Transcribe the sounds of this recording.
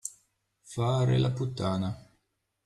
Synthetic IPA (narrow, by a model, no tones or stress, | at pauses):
faːɾḛlaput̪ːaːna